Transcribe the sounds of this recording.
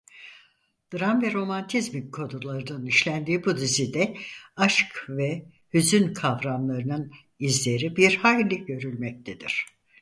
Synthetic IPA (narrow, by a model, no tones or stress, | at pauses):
d̪̥ɯɾamvɛɾo̞mant̪ʰizmikʰːo̞d̪ulˠaɾɯnɯniʃlʲænd̪iːbud̪izid̪ɛaʃkvɛ | hyzynkʰavɾamlˠaɾɯnɯn | izlʲe̞ɾibiɾhajlʲiɟø̞ɾylʲmɛc̚t̪ʰed̪ḭɾ̝̥